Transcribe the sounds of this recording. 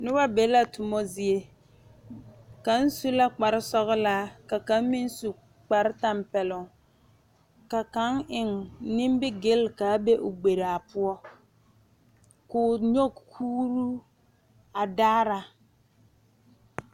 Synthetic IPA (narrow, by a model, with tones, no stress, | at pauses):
nʊ˦ba˦be˨˦la˦tʊ˨mɔ˦zɪ˨e˦ | ka˨˦n̩˦su˦la˦k͡pa˨ɾɪ˦sɔ˦ɣɪ˦la˦ka˨ka˨˦m˦mɪ˦n˦su˨ | k͡pa˨ɾɪ˦ta˨mpɛ˨lʊ˨ŋ | ka˨ka˨˦ŋɪ˨ŋnɪ˦mbɪ˦ɡɪ˦lka˨˦be˦ʔʊ˨ɡ͡be˨ɾa˨a˨pʊ˦ɔ˦ | kʊ˨ɲo˦ɡkʰuː˦ɾu˦ | a˨daː˦ɾa˨